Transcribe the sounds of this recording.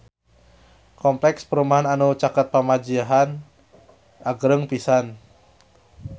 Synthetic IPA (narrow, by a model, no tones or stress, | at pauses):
kɔmplɛkspəɾumaɦananut͡ʃakat̪̚pamad͡ʒiaɦan | ʔaɡɾəŋpisan